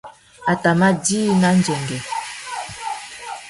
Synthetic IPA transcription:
a˨ta˨ma˦diː˦na˦n˦d͡ʒɛ˨ŋɡɛ˨

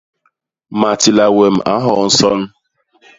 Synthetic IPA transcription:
ma˨tɪ˨la˨we˨m̩˨ʔa˦ɦɔ˨n̩˦sɔ˦n̩˦

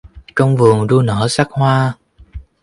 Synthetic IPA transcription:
kə˧wŋ͡mvɨ˨˩əŋɗu˧nəː˧˥sa˦˥k̚hwaː˧

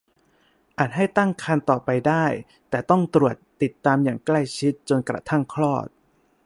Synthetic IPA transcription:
ʔa˨˩t̪̚ɦa˥˩jt̪a˥˩ŋkʰa˧nt̪ɔː˨˩pa˧jdaː˥˩j | t̪ɛː˨˩t̪ɔ˥˩ŋt̪ɾu˨˩ət̪ːi˨˩t̪ːaː˧mjaː˨˩ŋkla˥˩jt͡ɕʰi˦˥t̪̚t͡ɕo˧nkɾa̰˧t̪ʰa˥˩ŋkʰlɔː˥˩t̪̚

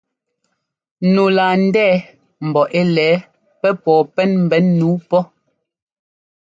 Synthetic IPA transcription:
nu˨la˨n̩˦dɛː˦˨ | m̩˨bɔ˨ʔe˦lɛː˨˦ | pɛ˦pɔː˨pɛ˦nm̩˨bɛ˨˦nnuː˨˦pɔ˦

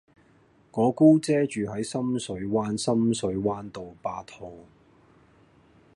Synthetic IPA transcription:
ŋɔː˨˧kuː˥t͡sɛː˥t͡ʃyː˨ɦɐ˨˥jsɐ˥msɵ˨˥ɥwaː˥nsɐ˥msɵ˨˥ɥwaː˥nt̪o˨wpaː˧t̪hʰo˨w

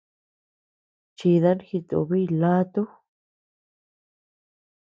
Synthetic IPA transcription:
t͡ʃi˧ða˦nxi˧t̪o̰˨βi˦˧˨la˦t̪u˦

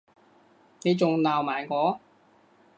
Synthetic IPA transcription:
ne˨˧jt͡sʊ˨ŋlaː˨wmaː˨˩jŋɔː˨˥

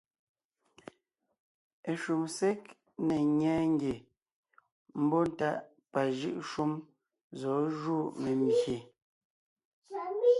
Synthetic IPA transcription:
e˨ʃu˨msɛ˦k̚ | ne˨ɲɛː˦ŋ˦ɡe˨ | m̩˦bɔ˦n˨ta˦ʔ | pa˨ʒɯ˦ʔʃu˦m | zɔ˨˦ʒuː˦˨me˨mje˨˦

